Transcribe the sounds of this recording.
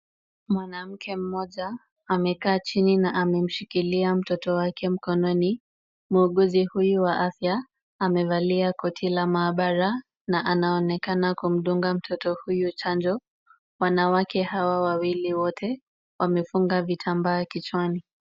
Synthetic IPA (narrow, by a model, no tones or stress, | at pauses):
mwanam̩kʰɛm̩mɔʄaː | mɛkaːt͡ʃininaʔamɛm̩ʃikiliam̩tɔtɔwakʰɛm̩kɔnɔni | muːɠuzihujuwaʔafjaː | mɛvaliakɔtʰilamaːɓaɾa | naʔanaɔnɛkanakum̩ɗuŋɡam̩tʰɔtɔhujut͡ʃand͡ʒɔ | wanawakɛhawawawiliwɔtʰɛ | wamɛfuŋɡavitʰambaːkit͡ʃwani